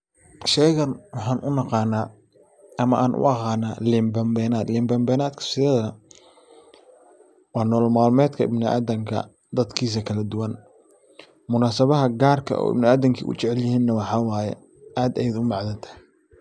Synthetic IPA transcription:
ʃɛjɣɐnwɑħɑːnʔʊnɑqɑːnaː | ʔɐmɐʔaːnʔʊ̰ʔɑqɑːnaːliːmbɐmbɛːnaːd̪liːmbɛmbɛːnaːd̪kʰɐ̥sɪðɛðɐnɐ | wɑːnɔːlmaːlmɛːd̪kʰɐɪ̰bnɪʔa̰ːd̪ɐŋkʰɐ̰ | d̪ɐd̪kʰiːs̬ɐkʰɐlɐd̪ʊwɐn | mʊnaːsɐβɐɦɐɡaːrkʰɐ̰ʔɔ̰ːɪ̰bnɪaːðɐŋkʰḭːʔʊ̰t͡ʃɪʕɛljɪhiːnːɐwɑħɑːwɑːjɛ̰ | ʔaːd̪ɛjd̪ʊmɑʕðɐnt̪ʰɐ̥hɛ

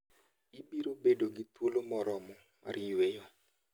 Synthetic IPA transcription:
ibiɾobedoɡit̪wolomɔɾɔmɔ | a̰ɾɪwejo

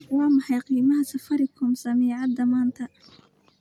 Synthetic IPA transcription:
wɑːmɐħɑjqiːmɐɦɐsɐfɐɾɪkʰʊmsɐmiːʕɑd̪ɐmaːnt̪ʰɐ

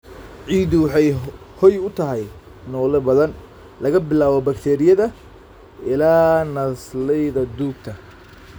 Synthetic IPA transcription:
ʕiːd̪ʊwɑħɑj | hɔjʊt̪ʰɐɦɛj | nɔːlɛbɐðɐn | lɐɣɐbɪlaːβɔbɐkt̪ʰɛːɾɪjɐðɐ | ɪlaːnɐslɛjðɐd̪uːɡ̚t̪ʰɐ

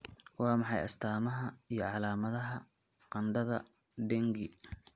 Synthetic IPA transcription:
wɑːmɑħɑjɐst̪ʰaːmɐɦɐijɞʕɑlaːmɐðɐɦɐ | qɑnɖɐðɐ | ɖɛŋɡɪ

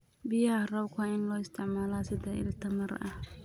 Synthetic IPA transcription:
bɪjɐarɐwkʰʊɪnlɔːɪst̪ʰɪʕmaːlaːsɪðɐɪ̰lt̪ʰɐmɐrɐ̰h

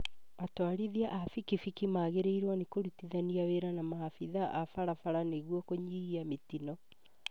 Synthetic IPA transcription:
atwaɾiðiaʔafikifikimaɣeɾeiɾwanikoɾutiðaniaweɾanamaafiðaʔafaɾafaɾaneɣwɔkoɲiɣiametinɔ

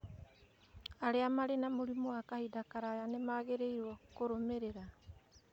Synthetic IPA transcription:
aɾeamaɾenamoɾimoakahidakaɾajanemaːɡeɾejɾuokoɾomeɾeɾa

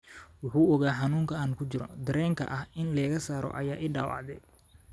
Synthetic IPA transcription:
wʊħuːɔɣaːħɑnuːŋkʰɐaːnkʰʊt͡ʃɪɾɔ̰d̪ɾɛːŋkʰɐ̰ʔɐhɪnlɛːɣɐsaːɾɔ̰ʔɐjaːʔɪːɖa̰ːwɑ̰ʕd̪ɛj

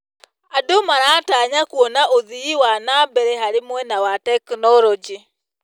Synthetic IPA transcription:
adomaɾaːtaɲakwɔnaʔoðiiwanabɛɾɛɦaɾɪmwɛnawatɛknɔlɔd͡ʒi

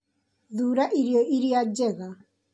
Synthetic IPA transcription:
ðuːɾaʔiɾiɔʔiɾiad͡ʑɛɣa

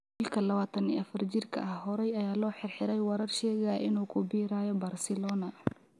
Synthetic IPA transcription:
ɪlkʰɐlɐβaːt̪ʰɐnḭːɐfɐrt͡ʃɪrkʰɐ̰ʔɐhhɔɾɛjɐjaːlɔːħɪrħɪɾɛjwɑɾɐrʃɛːɣaʔɪnuːkʰʊbiːɾaːjɔbaːrsɛlɔːnɐ

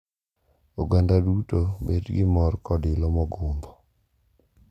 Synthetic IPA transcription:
oɡandadutobḛdɡɪmɔrkɔdɪlɔmɔɡombɔ

